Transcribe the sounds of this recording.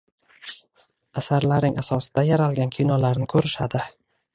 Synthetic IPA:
asaɾlaɾnɪŋʔasɒsɪd̪ajaɾalɡʲankʲʰijnɒlaɾnɪkʰɵɾɪʃad̪ɪ

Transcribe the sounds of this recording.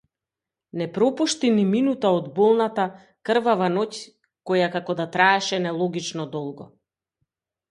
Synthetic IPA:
nɛpɾɔpuʃt̪iniminut̪aɔd̪bɔlˠnat̪a | kr̩vavanɔc | kɔjakakɔd̪at̪ɾaɛʃɛnɛlˠɔɡit͡ʃnɔd̪ɔlˠɡɔ̰

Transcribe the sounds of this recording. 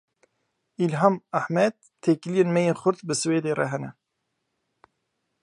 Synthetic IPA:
ilɦɑːmaħmɛd̪̚t̪ʰeːklijenmɛjeːnxʷʊɾt̪bɨsɨweːd̪eːrɛ̰ɦɛnɛ

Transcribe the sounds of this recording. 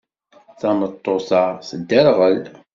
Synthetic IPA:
θɑmət̪ˤːoθɑsəd̪ːæɾʁəl

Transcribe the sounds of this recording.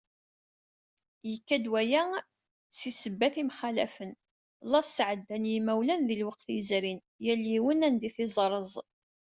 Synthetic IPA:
jəkːæd̪wæjæ | t͡sːisəbːæθimχælæ̰fən | lˤɑssʕəd̪ːænjimæwlænðilwəq̚θizɾin | jæljiwənænd̪iθizˤɾˤəzˤ

